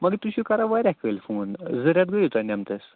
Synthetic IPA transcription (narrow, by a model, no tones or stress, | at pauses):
məɡet̪uɕikaɾaʋaɾɛkəlfond͡zəɾʲjat̪ɡəjt̪anamt̪əs